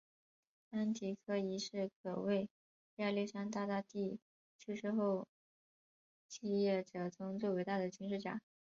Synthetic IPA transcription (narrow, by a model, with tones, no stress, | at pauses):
a˥nt̪ʰi˧˥kʰɤ˥˩i˧˥ʂɻ̩˥˩kʰɤ˨˩we˥˧ɪ | a˥˧li˥˩ʂa˥nt̪a˥˧t̪a˥t̪i˥˩ | t͡ɕʰy˥˧ʂɻ̩˥˧xo˥˧ʊ | t͡ɕi˥˧jɛ˥˩ʈ͡ʂɤ˨˩t͡sʊ˧˥ŋt͡swe˥˩ɪwe˧˥ɪt̪a˥˩d̪ə˩t͡ɕy˥nʂ̬ɻ̩˥˩t͡ɕja̰˥˩˦